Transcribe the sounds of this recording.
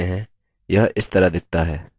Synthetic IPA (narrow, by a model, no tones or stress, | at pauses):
eɦɛ̃ː | jɐɦʔɪst̪ɐɾad̪ɪk̚t̪aɦɛː